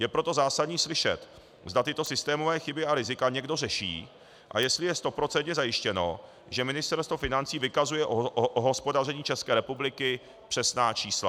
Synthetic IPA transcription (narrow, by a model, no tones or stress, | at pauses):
jɛpɾo̞t̪o̞zaːsadɲiːslɪʃɛ̰t̪ | zd̪at̪ɪt̪o̞sɪst̪ɛːmo̞vɛːxɪbɪaɾɪzɪkaɲɛɡdo̞rɛʃḭː | ʔa̰jɛst̪lɪjɛst̪o̞pɾo̞t͡sɛnt̪ɲɛzajɪʃcɛno̞ | ʒɛmɪnɪst̪ɛɾst̪vofɪnant͡siːvɪkazujɛʔoʔʔoɦo̞spo̞darɛɲiːt͡ʃɛskɛːɾɛpublɪkɪ | pr̥ɛsnaːt͡ʃiːsla̰